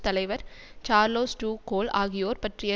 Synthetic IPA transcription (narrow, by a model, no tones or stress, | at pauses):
t̪ɐlɐɪʋɐɾt͡ʃaːɾloːsʈuːkoːlaːɣɪjoːɾpɐʈrɪjɐ